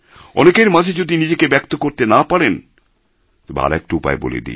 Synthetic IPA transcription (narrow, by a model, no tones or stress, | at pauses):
ɔ̰nekeɾmad͡ʑʱed͡ʑod̪inid͡ʑekebɛkt̪okoɾt̪enapaɾen | t̪ɔbea̰ɾɛk̚ʈoupa̰ebo̰lḛd̪ḭ